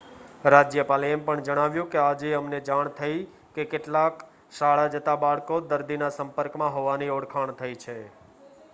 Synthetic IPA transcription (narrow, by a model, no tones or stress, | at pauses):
ɾad͡ʒjəpaliempəɳd͡ʒəɽ̃aʋjũkead͡ʒeəmned͡ʒaɳ̃t̪ʰəi | kekeʈlak | ʃaɭad͡ʒət̪abaɭkod̪əɾd̪inasəmpəɾkmãɦoʋanioɽkʰaɳt̪ʰəit͡ʃʰe